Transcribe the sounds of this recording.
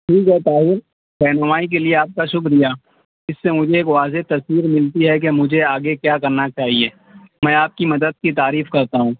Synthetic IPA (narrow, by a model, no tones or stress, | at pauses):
ʈʰiːkɦɛt̪aːɦɪɾ | ɾɛɦnʊmaːik̬elieaːp̚kaʃʊkɾijaː | ɪsːemʊd͡ʒʱeeːkʋaːzet̪ɐswiːɾmɪlt̪iɦɛk̬emʊd͡ʒʱeaːɡekjaːkɐɾnat͡ʃaːɦieː | mɛ̃ːaːp̚kimɐd̪əd̪̚kit̪aːɾiːfkɐɾt̪aɦũː